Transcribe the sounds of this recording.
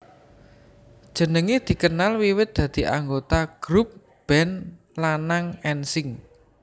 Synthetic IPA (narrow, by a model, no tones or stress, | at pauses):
d̥ʒ̥ə̤nəŋed̪̥i̤kənalwiwɪt̪̚d̪̥ä̤d̪̥i̤ʔa̰ŋɡot̪aɡ̥ɾup̚ | b̥ɛn | lanaŋɛnsɪŋ